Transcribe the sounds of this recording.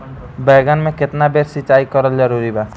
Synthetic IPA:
bɛːɡənmẽkɪt̪nabeɾsit͡ʃaːikəɾəld͡ʒəɾuɾiba

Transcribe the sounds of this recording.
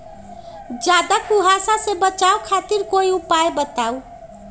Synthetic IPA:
d͡zad̪akuɦasasebʌt͡sawkʰat̪irkoiupajbʌt̪aw

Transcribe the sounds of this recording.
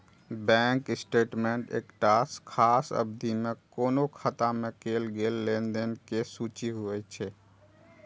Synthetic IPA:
bɛ̃ːŋkɪsʈeːʈmẽɳʈḛːkʈaːskʰːaːsə̰bd̪imẽkoːnokʰət̪ãmẽkeːlɡeːlːẽːnd̪enkesuːt͡ʃiɦʊɛt͡ʃʰeː

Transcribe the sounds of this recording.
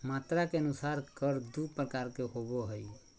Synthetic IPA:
mat̪ɾakeənusaɾkəɾd̪upɾəkaɾkeɦoboɦəj

